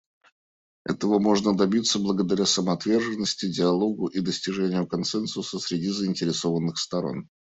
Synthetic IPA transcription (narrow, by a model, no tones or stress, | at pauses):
ɛ̰t̪əvəmo̞ʐnəd̪ɐbʲit̪səblˠəɡəd̪ɐɾʲasəməɐt̪vʲe̞rʐɨnːəsʲtʲɪdʲɪɐlˠo̞ɡʊʔid̪əsʲtʲɪʐɛnʲɪjʊkɐnsɛnsʊsəsʲɾʲɪdʲizəɪnʲtʲɪɾʲɪso̞vənːɨxst̪ɐɾo̞̰n